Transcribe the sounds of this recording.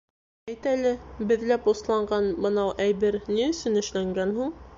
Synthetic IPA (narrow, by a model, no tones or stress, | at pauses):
æjt̪ælɘbɘ̆ðlæpŭslˠɑɴɢɑnbɤ̆nɑwʔæjβɘɾniɵ̆sɵnɘ̆ʃlæŋɡænhuɴ